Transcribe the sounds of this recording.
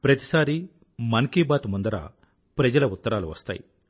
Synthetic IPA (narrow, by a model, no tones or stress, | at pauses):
pɾɐt̪i̥saːɾi | mɐŋkiːbaːt̪mund̪ɐɾa̰ː | pɾɐd͡ʒɐlɐut̪ːɐɾaːluʋɐ̰st̪a̰ːjḭ